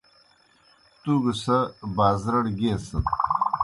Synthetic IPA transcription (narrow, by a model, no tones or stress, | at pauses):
t̪uɡəsɐbaːzɾɐɽɡeːsɐn